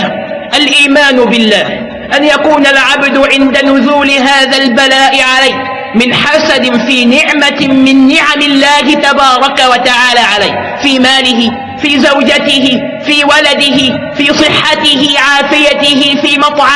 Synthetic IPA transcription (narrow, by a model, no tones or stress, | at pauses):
ʔalʔiːmaːnʊbɪlːaːh | ʔanjakuːnalʕabd̪ʊʕɪnd̪anʊzuːlɪɦaːðalbalaːʔɪʕalajh | mɪnħasad̪ɪfiːnɪʕmamɪnːɪʕamɪlːaːɦɪt̪abɑːɾˤɑkawat̪aʕaːlaːʕalajh | fiːmaːlɪɦɪ | fiːzawd͡ʒat̪ɪhɪ | fiːwalad̪ɪɦɪ | fiːsˤɨħːat̪ɪhɪʕaːfɪjat̪ɪhɪfiːmɑt̪ˤʕ